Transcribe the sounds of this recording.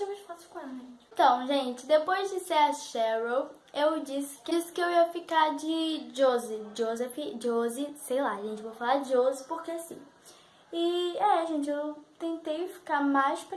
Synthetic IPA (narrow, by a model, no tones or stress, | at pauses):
ĩmeʃpasʊfi̥kõɛẽẽt̪ɐ̃w̃ʒẽt͡ʃɪd̪epojzd͡ʒɪseɾɐʃɛɾow | ewd͡ʒisɪ̥ksɪ̥kɪewiɐfikaɾd͡ʒɪd͡ʒozɪd͡ʒozɛfɪd͡ʒozɪsejlaɐʒẽnt͡ʃɪvowfalaɾd͡ʒɪozɪpoɾkeasĩ | ɪɛɐʒẽt͡ʃɪewt̪ẽnt̪ejfi̥kaɾmajsp